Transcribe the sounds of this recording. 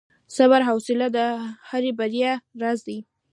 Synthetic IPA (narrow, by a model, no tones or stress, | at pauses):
saβaɾɦawsɪlad̪əhaɾebaɾjaɾazd̪i